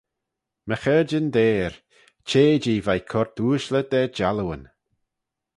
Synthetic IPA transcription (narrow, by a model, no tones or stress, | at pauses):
məxəd͡ʒənd̪eːɹ | t͡ʃʰeːd͡ʒiːvajkʰɔɹt̪uːʃləd̪̥ɛd͡ʒaluwə̰n